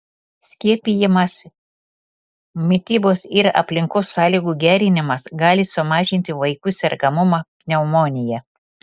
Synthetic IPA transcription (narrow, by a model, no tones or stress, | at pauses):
sʲkʲiɛpʲijɪmɐs | mʲɪt̪ʲiːboːsɪɾɐ̰pʲlʲɪŋkoːsːɑːlʲiːɡuːɡʲæːɾʲɪnʲɪmɐsɡɑːlʲɪsʊmɑːʒʲɪnʲt̪ʲɪʋɐɪkʊsʲɛɾkɐmʊmɑpʲnʲɛʊmoːnʲɪjɛ